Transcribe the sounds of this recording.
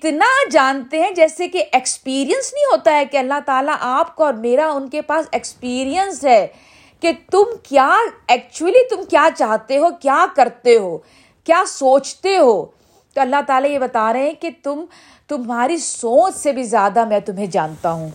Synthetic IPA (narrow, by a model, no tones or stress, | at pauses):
ɪt̪nad͡ʒaːnt̪eɦɛ̃d͡ʒɛːsekeʔekspiːɾijə̃nsnɐɦĩɦoːt̪aɦɛkeɐlːaɦt̪aːlaʔaːpkaɔːɾmeːɾaʊnkepaːsekspiːɾijənsɦɛː | ket̪ʊmkjaːɛːk̚t͡ʃuəlit̪ʊmkjaːt͡ʃaːɦt̪eɦokjaːkɐɾt̪eɦoː | kjaːsoːt͡ʃt̪eɦoː | t̪oɐlːaɦt̪aːlajebɐt̪aːɾəɦeɛ̃ket̪ʊm | t̪ʊmɦaːɾisoːt͡ʃsebʱizjaːd̪amɛ̃t̪ʊmɦẽd͡ʒaːnt̪aɦũː